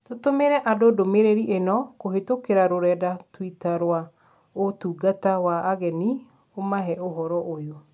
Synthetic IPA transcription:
totomeɾɛʔadodomeɾeɾiʔenɔkoɦetokeɾaɾoɾɛdatwitaɾwa | otuːɡatawaːɣɛni | omaɦɛoɦɔɾɔʔojo

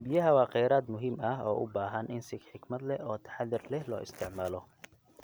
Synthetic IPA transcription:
bɪjɐɦɐwɑːqɛjɾaːd̪mʊɦimɐɦɔːʔʊ̰baːɦɐnʔɪnsɪɡħɪɡmɐd̪lɛɔːt̪ʰɐ̥ħðɪrlɛhlɔ̰ːʔɪ̰st̪ʰɪʕmaːlɔ

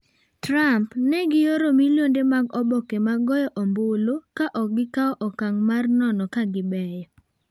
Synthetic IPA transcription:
tɾampnɛɡɪjoɾomiljondemaɡɔbɔkemaɡɔjɔʔɔmbolokaʔɔɡɪkaɔʔɔkaŋmarnɔnɔkaɡɪbɛjɔ

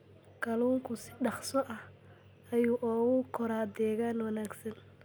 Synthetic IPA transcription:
kʰɐluːŋkʰʊsɪ̥ɖɑχsɔʔɐh | ɐjuːʔɔːɣʊkʰɔɾaːd̪ɛːɣaːnwɐnaːɡsɐn

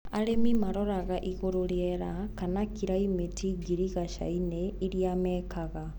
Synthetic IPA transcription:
aɾemimaɾɔɾaɣaʔiɣoɾoɾjɛɾakanakiɾaimetiɡiɾiɣaʃa̰ineiɾiamɛːkaɣa

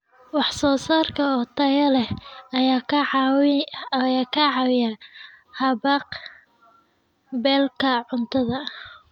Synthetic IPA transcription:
wɑħsɔːsaːrkʰɐɔt̪ʰɐjɐlɛhjakʰ | jaːkʰɐʕɑwɪja | hɐβɑq | bɛːlkʰɐʕʊnt̪ʰɐðɐ

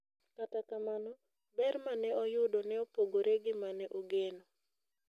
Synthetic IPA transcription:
katakamanɔ | bɛrmanɛɔjʊdonɛɔpoɡoɾeɡɪmanɛʔoɡeno

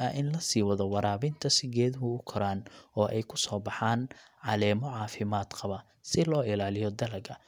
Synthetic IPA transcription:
ɐʔɪnlɐsiːwɐðɔwɑɾaːβɪnt̪ʰɐsɪɡɛːðʊɦʊʊkʰɐɾaːnɔːʔɛjkʰʊsɔːbɑħaːnʕɑlɛːmɔʕɑːfɪmaːd̪qɑβɐ | sɪlɔːɪlaːlɪjɔd̪ɐlɐɡɐ

